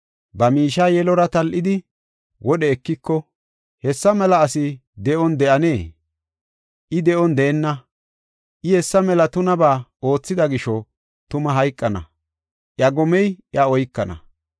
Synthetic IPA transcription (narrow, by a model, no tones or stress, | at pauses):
bɐmiːʃaːjɛlɔɾɐt̪ɐlʔɪd̪ɪ | wʔɔɗɛːkːɪkːɔ | hɛsːɐmɛlɐːsɪd̪ɛʔɔnd̪ɛʔɐne̞ː | ʔɪd̪ɛʔɔnd̪eːnːɐ | ʔɪhɛsːɐmɛlɐt̪ʊnɐbaːo̞ːt͡sːɪd̪ɐɡɪʃɔ | t̪ʊmɐɦɐjkʼːɐnɐ̰ | ʔjɐɡɔmɛjʔjɐɔjkːɐnɐ̰